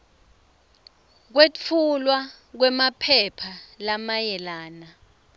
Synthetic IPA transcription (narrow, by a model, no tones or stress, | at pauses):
k̬wet͡fʰulwa | k̬wɛmapʰɛpʰalamajɛlaːna